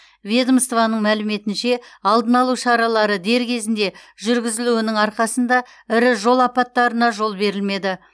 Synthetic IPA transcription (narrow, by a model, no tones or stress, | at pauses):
vʲed̪əmst̪vɑnəɴmælɪme̞t̪ɪnʃe̞ɑlˠd̪ənɑlˠuʃɑɾɑlˠɑɾəd̪e̞ɾkʲʰe̞zɪnd̪e̞ʒʏɾɡʲɪzɪluɪnɪŋɑɾqɑsənd̪ɑ | ɪɾɪʒo̞lˠɑpɑt̪ːɑɾənɑʒo̞lˠbe̞ɾɪlme̞d̪ɪ